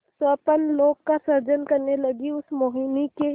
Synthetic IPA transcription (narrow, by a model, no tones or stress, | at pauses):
səːpənloːɡkasɐɾd͡ʒənkɐɾnelɐɡiʊsmoːɦɪnike